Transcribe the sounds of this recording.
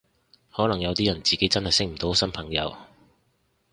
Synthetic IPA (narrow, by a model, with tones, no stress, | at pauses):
hɔː˨˥lɐ˨˩ŋjɐ˨˧wt̪iː˥jɐ˨˩nt͡siː˨ke˨˥jt͡sɐ˥nhɐ˨jsɪ˥k̚m̩˨˩t̪o˨˥wsɐ˥npʰɐ˨˩ŋjɐ̰˨˧˥w